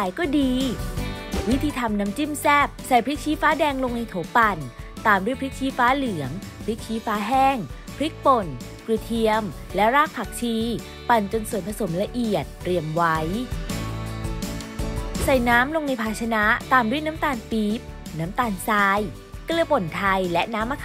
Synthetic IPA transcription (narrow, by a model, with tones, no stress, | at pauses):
a˨˧˩jkɔː˥˩diː˧ | wi˦˥t̪ʰiː˧t̪ʰa˧mnaː˦˥mt͡ɕi˥˩msɛː˥˩p̚sa˨˩jpʰɾi˦˥k̪̚t͡ɕʰiː˦˥faː˦˥dɛː˧ŋlo˧ŋna˧jt̪ʰoː˩˦pa˧nt̪aː˨˧˩mdu˥˩ə˨jpʰɾi˦˥k̚t͡ɕʰiː˦˥faː˦˥lɯ˨˩˦əŋ | pʰɾi˦˥t͡ɕʰiː˦˥faː˦˥ɦɛː˥˩ŋpʰɾi˦˥k̚po˨˩n | klɯ˧˩t̪ʰi˧əmlɛ˦˥wɾaː˥˩k̚pʰa˨˩k̚t͡ɕʰiː˧ | pa˧˩nt͡ɕo˧nsu˨˩ənpʰa˧so˩˦mla˧ʔi˨˩ət̪̚ːɾi˨˩əmwa˦˥j | sa˨˩jnaː˦˥mlo˧ŋna˧jpʰaː˧˩t͡ɕʰa˧na˦˥ʔt̪aː˧mdu˥˩əjna˦˥mt̪aː˧npiː˦˥p̚naː˦˥mt̪aː˧nsaː˧j | klɯ˧˩əpo˨˩nt̪ʰa˧jlɛ˦˥ʔnaː˦˥mːa˧